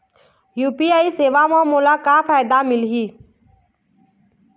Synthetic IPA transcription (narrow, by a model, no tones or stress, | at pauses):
juːpiːaːiːseːʋaːmãːmoːlaːkaːfaːjd̪aːmɪlɦiː